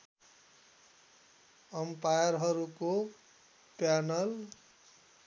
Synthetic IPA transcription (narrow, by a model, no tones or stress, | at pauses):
ʌmpajʌɾɦʌɾuko | panʌl